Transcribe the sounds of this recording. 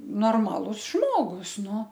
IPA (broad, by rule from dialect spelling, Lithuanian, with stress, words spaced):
noːrˈmɑːlˠʊs ˈʒmoːɡʊs ˈnʊ